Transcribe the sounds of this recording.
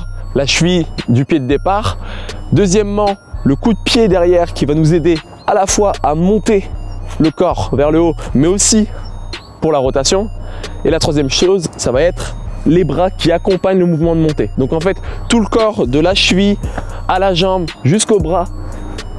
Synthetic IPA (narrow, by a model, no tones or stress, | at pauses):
laʃvid̪ypjed̪əd̪epaʁd̪øzjɛmːɑ̃ləkud̪əpjed̪ɛʁjɛʁkʲivanuzed̪e | alafwaamɔ̃t̪eləkɔʁvɛʁləomɛosi | puʁlaʁɔt̪asjɔ̃elat̪χwazjɛmʃozsavaɛt̪χ | lebʁakʲiakɔ̃paɲləmuvmɑ̃d̪əmɔ̃t̪ed̪ɔ̃kɑ̃fɛt̪ːuləkɔʁd̪əlaʃvi | alaʒɑ̃bʒyskobʁa